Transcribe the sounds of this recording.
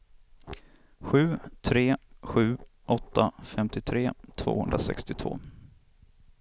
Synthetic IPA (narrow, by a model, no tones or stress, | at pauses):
ɧʉ̟ːt̪ʰɾeːɧʉ̟ːʔɔt̪ːafɛmt̪ɪt̪ʰɾeːt̪ʰv̥o̰ːhɵnd̪ɾasɛ̰kst̪ɪt̪ʰvo̰ː